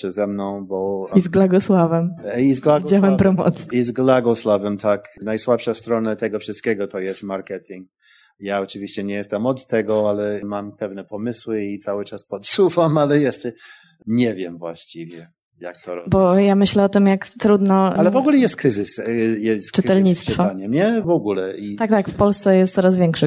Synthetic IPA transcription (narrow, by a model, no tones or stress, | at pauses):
ɛzɛmnɔ̃w̃bɔizɡlaɡɔswavɛmizɡlad͡ʑawɛmpɾɔmɔ̰t̪siizɡlaɡɔswavɛmt̪ʰaknajswapʂast̪ɾɔnat̪ɛɡɔfʂɨst̪̚kʲɛɡɔt̪ɔjɛst̪maɾkɛt̪ʰiŋk | jaɔt͡ʂɘvʲiɕt͡ɕɛɲɛjɛst̪ɛmɔt̪ːɛɡɔalɛmampɛvnɛpɔmɘswɘit̪sawɘt͡ʂaspɔt̪suvamalɛjɛʂt͡ʂɛ | ɲɛvʲjɛmvwa̰ɕt͡ɕivʲjɛ | ja̰kt̪ɔɾɔbɔjamɘɕlɛɔt̪ɘmjakt̪ɾud̪nɔalɛvɔɡulɛjɛst̪̚kɾɘzɪsjɛst̪t͡ʂɨɾɛlɲit̪st̪fɔaɲɛmɲɛvɔɡulɛit̪ak̚t̪akfpɔlst̪sɛjɛst̪sɔɾazvʲjɛŋkʂɛ